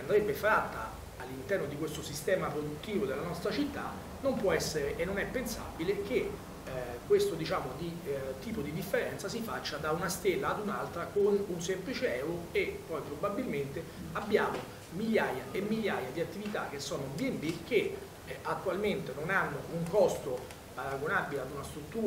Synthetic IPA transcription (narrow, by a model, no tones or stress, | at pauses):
and̪ɾɛbːefɾat̪ːaː | lːint̪ɛrnod̪ikwest̪osist̪ɛːmapɾod̪ut̪ːiːvod̪elːanɔst̪ɾat͡ʃit̪ːa̰ | nompwɔɛsːeɾeʔːnːonɛpːensa̰bilek̟e | kːwest̪od̪it͡ʃaːmod̪it̪iːpod̪id̪ifːeɾɛnt̪sasifat͡ʃːad̪aunast̪elːaːd̪unalt̪ɾakonunsemplit͡ʃeɛwɾoepːɔjpɾobabːilment̪e | abːjaːmo | miljaːjaemːiʎjaːjad̪iat̪ːivit̪ak̟ːesːɔːnod̪iembik̟e | at̪ːualment̪enonanːouŋkɔst̪o | paɾaɡonabːilead̪unast̪ɾut̪ːuː